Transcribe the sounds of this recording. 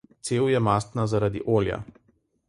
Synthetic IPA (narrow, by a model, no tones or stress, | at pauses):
t̪seːwjɛmast̪nazaɾad̪ḭʔoːlja̰